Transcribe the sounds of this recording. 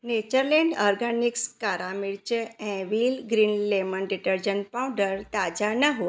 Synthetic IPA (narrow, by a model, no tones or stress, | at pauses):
net͡ɕəɾlɛ̃ɳɖɔɾɡanikskaɾamiɽt͡ɕeɛ̃ʋilɡɾiːnlemənɖiʈəɾd͡ʑənpãw̃ɖəɾt̪ad͡ʑanaɦu